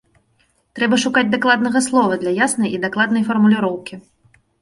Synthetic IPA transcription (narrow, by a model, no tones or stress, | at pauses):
t̪ɾɛbɐʂukad͡zʲd̪aklˠad̪nɐɣɐslˠɔvɐd̪lʲɐjasnɐjid̪aklˠad̪nɐjfɐrmulʲɪɾɔwkʲi